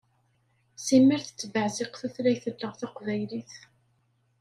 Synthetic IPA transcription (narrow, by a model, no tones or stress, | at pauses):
simːiɾθə̥t͡sːvəʕzɪqθæθlæçθəlːəʁθaqvæjliθ